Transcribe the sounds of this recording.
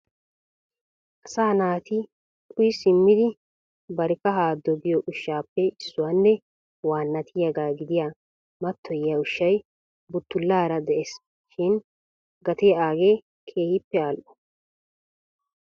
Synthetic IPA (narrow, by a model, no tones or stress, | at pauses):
ʔɐsaːnaːt̪ɪ | kʰʊjɪsɪmːɪd̪ɪ | bɐɾɛkːɐɦaːd̪ːɔɡɪjɔʔʊʃːaːpːɛɪsːʊwaːnːɛ | waːnːɐt̪ʰɪjɐɡaːɡɪd̪ɪjaː | mɐt̪ːɔjːaʊʃːɐj | bʊt̪ːʊlːaːɾɐd̪ɛʔeːs | ʃɪn | ɡɐt̪ɛjaːɡeː | kʰe̞ːhɪpːɛaːlʔɔ̥